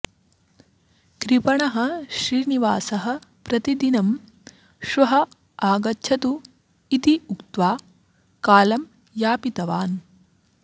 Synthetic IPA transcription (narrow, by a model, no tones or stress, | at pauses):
kɾipɐɳɐɦɐ̆ʃɾiːniʋaːsɐɦɐ̆pɾɐt̪id̪inɐm | ʃɐɦɐ̆ | aːɡɐtːʃʰɐt̪u | it̪iukt̪ʋaː | kaːlɐm | jaːpit̪ɐʋaːn